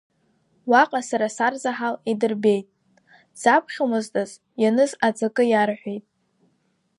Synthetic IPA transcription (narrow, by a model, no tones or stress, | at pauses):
waqʼasaɾasarzaħalidɨrbe̞jtʼ | z̥apʰχʲamɨztʼaz | janɨzad͡zʼakʼɨjarħʷᶣejtʼ